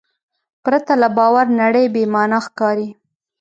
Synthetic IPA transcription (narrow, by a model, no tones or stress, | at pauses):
pɾat̪alabɑwaɾnaɽəjbemɑnaxkɑɾi